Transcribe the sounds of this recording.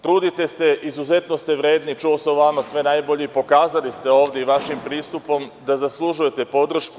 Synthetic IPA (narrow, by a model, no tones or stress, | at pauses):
t̪ɾuːd̪it̪e̞se̞ʔizuze̞t̪no̞st̪e̞ʋɾe̞ːd̪nit͡ʃuosoʋamasʋe̞najbo̞ʎeipo̞kaːzalist̪e̞o̞ːʋd̪je̞iʋaʃimpɾiːst̪upo̞md̪azaslˠuʒuje̞t̪e̞po̞d̪r̩ʃku